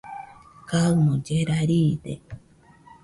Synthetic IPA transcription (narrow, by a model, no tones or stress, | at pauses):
kaɨmõd͡ʒeɾaɾiːd̪ḛ